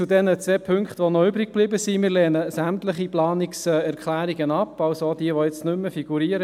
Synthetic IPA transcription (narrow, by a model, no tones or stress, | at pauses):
udɛnət͡sʋɛːpʰʏŋkχt̪ʋonɔʏbɾɪk̚b̥liːbəsimɪːɾlɛːnəsæmt̪ləχiplɑːniksɛːɛɾkʰχlæːɾiɡənɑpːɑwsod̥iəʋojɛt͡stnʏmːəfiɡ̥uɾiːəɾə